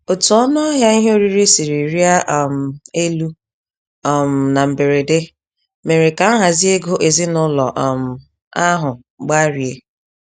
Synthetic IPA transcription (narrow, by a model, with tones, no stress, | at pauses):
o˨tu˨ɔ˦nɔ˦ɦja˦i˦ɦe˦o˦ɾi˦ɾi˦si˨ɾi˨ɾi˦a˦ʔm̩˨e˦lu˦ | ɔ˨m̩˨na˨m̩˨be˨ɾe˨de˦ | me˨ɾe˨ka˨˦ɦa˨zi˦e˦ɡo˦ʔe˨zi˦nʊ˦lɔ̰˨ʔɔ˨m̩˨ | a˦ɦʊ˨ | ɡ͡ba˦ɾi˨e˨